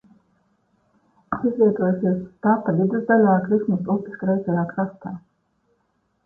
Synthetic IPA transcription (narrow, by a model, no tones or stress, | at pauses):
sizvʲiɛt̪uɔjusiɛst̪apːad̪id̪ɛzd̪alʲaːkɾismusup̪ʲiʃkɾɛjzɛjaːkɾast̪aː